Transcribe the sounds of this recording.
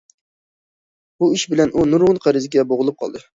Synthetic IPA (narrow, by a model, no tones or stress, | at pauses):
buiʃbɪlɛnʔunuɾʁʊnqʰæɾɪzɪɡʲɛboʁʊlˠɨp̚qʰɑ̰lˠd̪ɨ